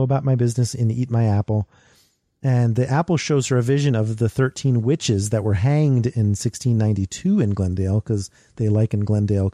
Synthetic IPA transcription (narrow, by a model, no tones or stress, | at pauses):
əbaʊt̚maɪbɪznɨsɨ̃nit̚maɪæpl̩ˠ | ɨ̃nðiʔæpl̩ˠʃoʊz̥ə˞ɨvɪʒɨ̃nʌvðɨθɜ˞tʰĩnwɪt͡ʃɪzðɨʔ̚wə˞ɦæ̃ŋdɪ̃nsɪkstʰĩnːãɪ̃ntitʰʉɨ̃nɡlɛ̃ndeɪlˠkʰʌz | ðeɪlaɪkɨ̃n̩ɡlɛ̃ndeɪlˠ